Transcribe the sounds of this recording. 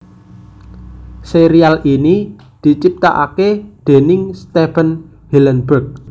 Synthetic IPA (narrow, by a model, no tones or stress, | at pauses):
seɾialʔini | d̪̥i̤t͡ʃip̚t̪a̰ʔa̰ked̪̥e̤nɪŋst̪efən | hilənbərk̚